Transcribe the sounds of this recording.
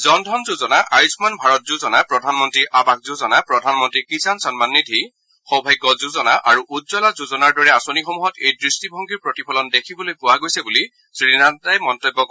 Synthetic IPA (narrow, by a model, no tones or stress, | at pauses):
zɔndʱɔnzuzɔnaʔajusmanbʱaɹɔt̚zuzɔnapɹɔdʱanmɔntɹiʔabak̚zuzɔnapɹɔdʱanmɔntɹikisansɔnmanːidʱi | xɔbʱajkːɔzuzɔnaʔaɹuʔudzɔlazuzɔnaɹdɔɹɛasonixɔmuɦɔtejdɹistibʱɔŋɡiɹpɹɔtipʰɔlɔndekʰibɔlojpʊwaɡojsɛbuli | sɹinatajmɔntɔbːɔk